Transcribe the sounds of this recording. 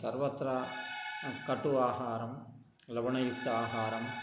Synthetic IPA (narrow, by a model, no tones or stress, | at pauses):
sɐ̰ɾʋɐt̪ɾa | kɐʈːuaːɦaːɾɐm | lɐʋɐɳɐjʊk̚t̪ːɐaːɦaːɾɐm